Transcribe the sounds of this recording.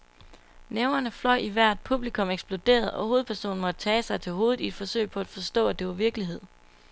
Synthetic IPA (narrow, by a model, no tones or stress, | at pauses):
neʊnɐnəflɒɪiʋæɐ̰d̥̚pʰub̥likʰɔ̽meɡ̥sb̥lo̝d̥e̝̰ːɐð̞̩ˠɒ̽ho̝ːð̞̩ˠpʰæɐso̝̰ːn̩mɒ̽d̥ət͡sʰɛːsɑ̈ɪt͡sʰe̝lɦo̝ːð̞̩ˠie̝d̥fɒ̽sø̰ɪ̰pʰɒ̽æd̥fɒ̽sd̥ɔ̰ːæd̥e̝ʋɑ̈ʋiɐɡ̥liɦe̝ð̞̰ˠ